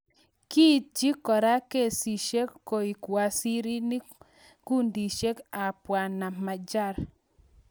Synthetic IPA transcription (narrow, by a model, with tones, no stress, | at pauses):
ki˦d͡ʒi˦kɔ˨ɾa˦ke˦˨si˨ʃe˦kːo˨i˨kwa˨si˦ɾi˦ni˦ | ku˦ndi˨ʃe˦ka˨pwa˨na˨ma˨d͡ʒa˦˨ɾ